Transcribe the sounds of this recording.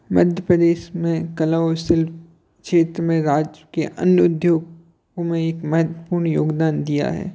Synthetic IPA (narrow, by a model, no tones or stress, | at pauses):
mɐd̪ʱjəpɾəd̪eːʃmẽkɐlaosɪlf | kʃeːt̪ɾəmẽɾaːd͡ʒəkeʔɐ̰njʊd̪ʱjoːɡ | õmẽeːkmɐɦət̪wəpuːɾɳjoːɡd̪aːnd̪ija̰ɦɛ̰ː